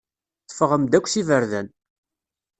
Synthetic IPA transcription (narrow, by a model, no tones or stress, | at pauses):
θəfəʁəmd̪ækʷːθivəɾðæn